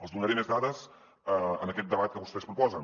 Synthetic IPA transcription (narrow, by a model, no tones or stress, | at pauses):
əlˠzðunəɾemezðaðəz | əənəkɛt̪̚d̪əβat̪̚kəβust̪ɛspɾupɔzən